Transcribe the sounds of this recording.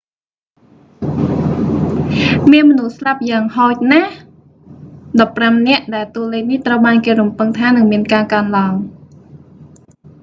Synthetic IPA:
miənmɔnuhslap̚jaːŋhɔːc̚nah | ɗɑpːramnɛ̆əʔɗaɛlt̪uəleːk̚niht̪rəwɓaːnkeːɾumpɨŋt̪ʰaːnɨŋmiənkaːkaənlaəŋ

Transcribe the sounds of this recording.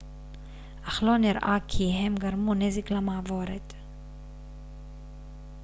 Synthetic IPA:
ʔaχlo̞niɾʔakʰiɦemɡaɾmuneziklamavo̞ɾet̪

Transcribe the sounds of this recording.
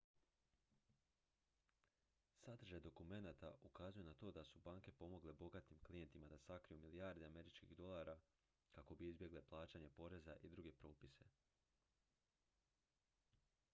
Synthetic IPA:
sad̪r̩ʒed̪okume̞naːt̪a̰ʔukazujenat̪o̞ːd̪asubaːŋke̞po̞mo̞ɡlebo̞ɡat̪imklije̞nt̪imad̪asakɾijumiliaɾd̪eame̞ɾit͡ʃkḭɣd̪o̞lˠaːɾa | kako̞biizbje̞ɡleplˠaːt͡ɕaɲe̞po̞ɾe̞za̰ʔid̪ɾuɡe̞pɾo̞ːpise̞̰

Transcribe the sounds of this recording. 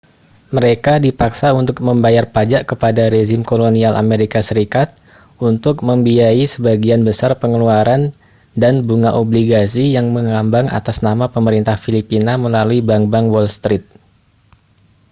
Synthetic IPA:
məɾekadipaksaunt̪ʊk̚məmbajarpad͡ʒaʔkəpadaɾeʒɪmkolonialʔa̰meɾikasəɾikat̪̚ | unt̪ʊk̚məmbiaisəbaɡianbəsarpəŋəluaɾan | danbuŋaʔobliɡasijaŋməŋambaŋa̰t̪asnamapəməɾint̪ahfilipinaməlaluibaŋbaŋwɔlst̪ɾɪt̪̚

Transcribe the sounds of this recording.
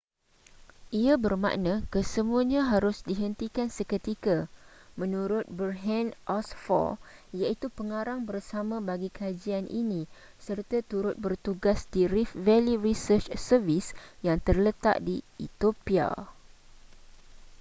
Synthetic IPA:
ʔiabərmã̰ʔnãkəsəmuaɲãɦaɾʊsdiɦənt̪ikansəkət̪ikamə̃nũɾʊt̪̚bərɦɛ̃nʔɔsfɔ̰jait̪upəŋaɾaŋbərsamãbaɡikəad͡ʒianʔḭnĩ | sərt̪at̪uɾʊt̪̚bərt̪uɡasdiɾifvɛlirisərt͡ʃsərvisjaŋt̪ərlət̪a̰ʔ̚diḭt̪opia̰

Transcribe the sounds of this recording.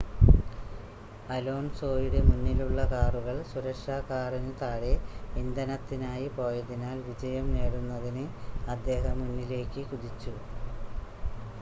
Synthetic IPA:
ɐlo̞ːnso̞ːjiɽe̞munːiluɭːɐkaːruɣɐɭsuɾɐkʂaːkːaːrinɨt̪aːɽeʋind̪ɐnɐt̪ːinaːjipo̞ːjɐðinaːlʋid͡ʑɐjɐmne̞ːɽunːɐðinɨɐd̪ːe̞ːɦɐmːunːile̞ːkːɨkuðit͡ɕːu

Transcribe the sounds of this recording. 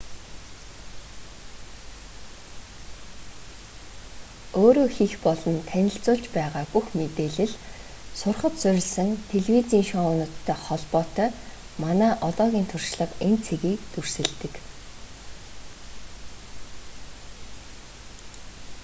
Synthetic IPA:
oːɾoːxixpɔɮɞ̆nt̪ʰænʲɪ̆ɬt͡sʊːɮt͡ɕpæːʁaːpuxmet̪eːɮɘ̆ɮ | sʊrχə̆t̪sœɾʲɪ̆ɮsɘ̆nt̪ʰeɮwit͡siːnʃɔʊnʊ̆t̪ʰːœːχɔɮpɔːt̪œː | manæːʔɔt̪ɔːɣʲiːnt̪ʰʊrʃɮə̆qent͡sʰeɣiːk̚t̪ur̥sɘ̆ɮt̪ɘ̆k

